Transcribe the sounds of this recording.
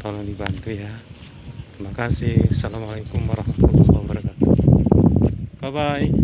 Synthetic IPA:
t̪ɔlɔŋdibant̪uja | t̪ɾimakasihasalamalakumwaɾɔhmat̪ulwabaɾakat̪u | babaj

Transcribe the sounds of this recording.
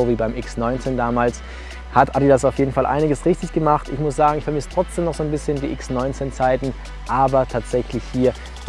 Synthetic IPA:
oːviːbaɪmʔɪksnɔʏnt͡seːndaːmaːls | hatʔadidasaʊfjeːdn̩falʔa̰ɪnɪɡəsʁɪçtɪçɡ̥əmaχtɪçmʊsz̥aːɡŋ̩ɪçfɛɐmɪstʁ̥ɔt͡sd̥eːmnɔχz̥oːnbɪsçəndiːʔɪksnɔʏnt͡seːnt͡saɪtn̩ | ʔaːbɐtʰaːtz̥ɛçlɪçhiːɐ

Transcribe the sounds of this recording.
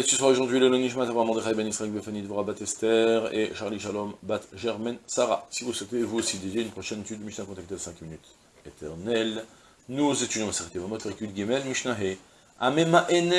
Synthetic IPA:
esəsəʁaoʒuʁd̪ɥiləlɔniʒmãt̪avaʁamɑ̃d̪eχaibɛnisχaɛlbefanid̪əvuʁabat̪ɛst̪ɛʁḛʃaʁliʃalɔmbat̪ʒɛʁmɛnsaʁasivuswɛt̪evuosid̪edjeynpχɔʃɛnet̪yd̪ːmiʃnakɔ̃t̪akt̪elasɛ̃kminyt̪ | et̪ɛʁnɛl | nuzet̪yd̪jɔ̃masaʁt̪evamɔt̪ʁikyd̪ɡʲimɛlmiʃnaɦe | a̰memaʔenɛ

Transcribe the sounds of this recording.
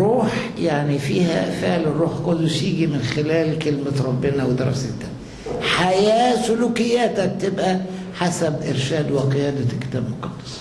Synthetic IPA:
ɾuːħjaʕnifiːɦæ̰feʕlɪrˤuːħkolːʊʃjiːɡimɪnxelæːlkelmæɾˤɑbːɪnæwed̪ɑ̰ɾˤɑ̰sed̪æ | ħajæːsʊlukɪjːæːt̪æb̚t̪ebʔæ | ħasæbʔeɾʃæːd̪wɪqejæːd̪ækːɪ̥t̪æːbmoqɑd̪ːɑ̥sˤ

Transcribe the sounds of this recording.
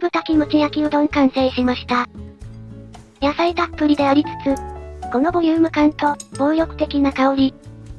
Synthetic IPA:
bɯ̟t̪akʲimɯ̟t͡ɕijakʲiod̪õŋkãɰ̃seːɕimaɕi̥t̪a | jasait̪apːɯ̟ɾʲid̪e̞aɾʲit͡sɨ̥t͡sɨɡ̥o̞no̞bojɯːmɯ̟kãnt̪o̞b̥oːjo̞kɯ̥t̪e̞kʲinakaoɾʲi

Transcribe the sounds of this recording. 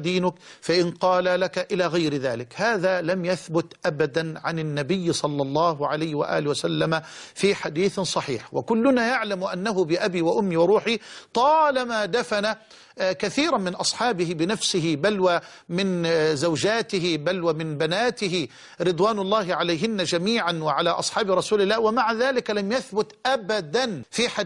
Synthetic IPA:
d̪iːnʊkfaʔɪnqɑːlalakaʔɪlaːɣajɾɪðaːlɪkhaːðaːlamjaθbʊt̪ʔabad̪anʕanɪnːabɪjːsˤɑlːɑlˤːɑːɦʊʕalajhɪwa̰ʔa̰ːlɪwasalːamafiːħad̪iːθsˤɑħḭːħwa̰kʊlːʊnajaʕlamʔanːaɦʊbɪʔabiːwaʔʊmːiwɑɾˤuːħit̪ˤɑːlamaːd̪afana | kaθiːɾˤɑmɪnʔɑsˤħɑːbɪhɪbɪnafsɪɦɪbalwa | mɪnzawd͡ʒaːt̪ɪɦɪbalwamɪnbanaːt̪ɪɦɪ | ɾɨd̪ˤwaːnɑlˤːɑːɦɪʕalaːɦɪnːad͡ʒamiːʕanwɪʕalaːʔɑsˤħɑːbɪɾˤɑsuːlɪlːaːhwɪmaʕaðaːlɪklamjaθbʊt̪ʔabad̪anfiːħa

